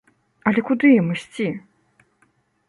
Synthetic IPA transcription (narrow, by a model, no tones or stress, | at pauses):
ɐlʲɛkud̪ɨjɐmɨsʲt͡sʲi